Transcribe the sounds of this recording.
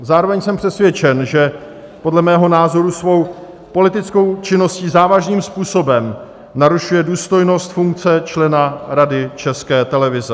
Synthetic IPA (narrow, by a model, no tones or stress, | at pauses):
zaːɾo̞vɛɲsɛmpr̝̥ɛsvjɛt͡ʃɛnʒɛ | po̞dlɛmɛːɦo̞naːzo̞ɾusvo̞w | po̞lɪt̪ɪt͡sko̞wt͡ʃɪno̞sciːzaːvaʒniːmspuːso̞bɛm | naɾuʃujɛduːst̪o̞jno̞st̪fuŋk̚t͡sɛt͡ʃlɛnaɾadɪt͡ʃɛskɛːt̪ɛlɛvɪzɛ